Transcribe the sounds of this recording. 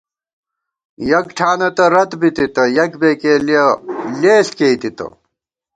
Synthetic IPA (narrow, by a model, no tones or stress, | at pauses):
jɐkʈʰaːnɐt̪ɐɾɐt̪bit̪it̪ɐjɐkbeːkelieleːɬket̪it̪ɐ̰